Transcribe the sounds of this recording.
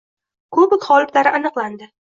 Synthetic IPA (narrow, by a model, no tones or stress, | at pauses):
kʰɵbɪkʲχɒlˠɪt̪laɾɪʔanɨqlˠand̪ɪ